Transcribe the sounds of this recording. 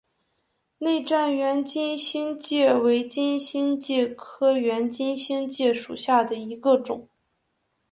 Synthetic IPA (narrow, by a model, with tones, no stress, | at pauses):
ne˥˧ɪʈ͡ʂa˥˩nɥɛ˧˥nt͡ɕi˥nɕi˥nt͡ɕjɛ˥˩we˧˥ɪt͡ɕi˥nɕi˥nt͡ɕjɛ˥˩kʰɤ˥ɥɛ˧˥nt͡ɕi˥nɕi˥nt͡ɕjɛ˥˩ʂṵ˨˩ɕja˥˩d̪ə˩i˧˥ɡə˧ʈ͡ʂʊ̰˨˩˦